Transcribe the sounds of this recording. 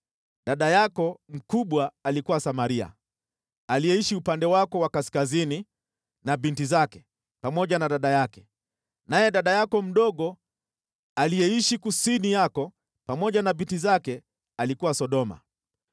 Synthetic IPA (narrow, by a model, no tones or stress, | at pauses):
ɗaɗajakɔm̩kuɓwaːlikuwasamaɾia̰ | alijɛiʃiupandɛwakɔwakaskazini | nabintizakɛ | pamɔʄanaɗaɗajakɛ | najɛɗaɗajakɔm̩ɗɔɠɔ | alijɛiʃikusinijakɔ | pamɔʄanabintizakɛ | alikuwasɔɗɔma̰